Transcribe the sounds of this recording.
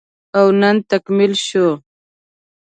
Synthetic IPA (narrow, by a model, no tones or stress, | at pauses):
awnənt̪akmɪlʃo